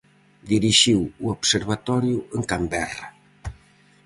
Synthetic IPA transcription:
d̪iɾiʃiwuoβseɾβat̪ɔɾjʊeŋkambɛra

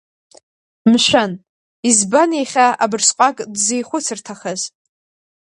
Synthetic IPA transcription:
mʃʷᶣan | izbaneχʲaabɨrsqʷʼakʼdzejχʷʊt͡sʰɨrtʰaχaz

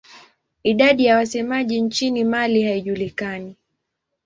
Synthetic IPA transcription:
iɗaɗijawasɛmaʄiɲt͡ʃinimalihaiʄulikani

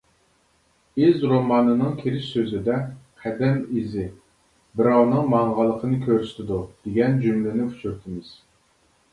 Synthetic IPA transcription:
ɪzɾomɑːnɨnɨŋkʲʰeɾɪʃsøzɪd̪ɛqʰæd̪ɛmizɪ | bɪɾɑwnɨŋmɑɴʁɑlˠːəqʰənɨkʲʰøɾyst̪ʰɪd̪ud̪̥eɡʲɛnd͡ʒymlɪnɪkʰu̥t͡ʃʰyɾt̪ʰɪmɪz̥

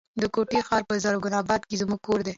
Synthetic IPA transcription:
d̪əkoʈexɑɾpəzaɾɡʊnɑbɑd̪kezmuɡ̚koɾd̪e

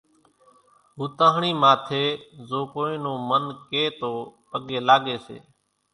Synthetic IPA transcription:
ɦuːt̪ãːɦɳiːmãːt̪ʰeːzoːkoːĩːnõːmənkeːt̪oːpəɠeːlaːɠeːsḛː

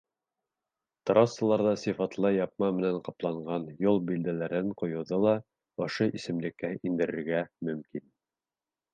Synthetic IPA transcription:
t̪rɑsːɤ̆lˠɑɾðɑsifɑt̪lˠɑjɑp̚mɑmɘ̆næɴqɑplˠɑɴɢɑnjolˠbild̪ælæɾɘɴqŏjŏwðɤlˠɑ | ŏʃoʔisɘ̆mlɘ̆kːæʔind̪ɘ̆ɾɘ̆ɾɡæmɵ̆mkin

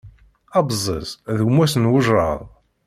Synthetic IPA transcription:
ɑbzˤːə̰zðɡmæsənwəʒɾə̰ðˤ

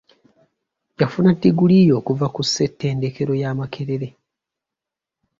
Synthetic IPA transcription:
jafunatːiɡulijo̞ːkuvakuse̞tːe̞ːndeke̞ɾo̞jaːmakʰe̞ɾeɾe̞

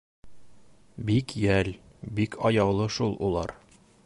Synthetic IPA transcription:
bikjæl | bikʰɒjɑwlˠɤʃulˠṵlˠɑ̰ɾ

